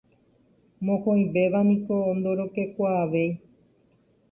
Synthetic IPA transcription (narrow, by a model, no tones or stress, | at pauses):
mokʰoŋbebanikoːnd̪oɾokekwaːʋej